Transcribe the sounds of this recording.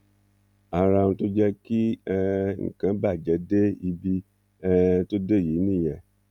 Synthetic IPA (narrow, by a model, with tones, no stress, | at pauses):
a˨ɾa˧nũ˧to˦d͡ʒɛ˦ki˦ɛ˦˧ŋ̩̰˨kã˨˧˦ba˦˨d͡ʒɛ˨˦de˦i˧bi˧ | ɛ˦to˦de˦˨ji˨˦nĩ˦˨jɛ˨